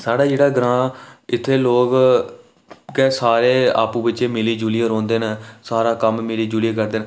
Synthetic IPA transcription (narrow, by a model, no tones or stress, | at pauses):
saːɽaːd͡ʒeːɽaːɡɾãːɪt̪ʰːeːloːk | kɛːsaːɾeːa̰ːpũːbətːʃeːmɪliːd͡ʒuːlijeːɾõːnd̪eːnəsaːɾãːkəmmɪliːd͡ʒuːlijeːkəɾd̪eːn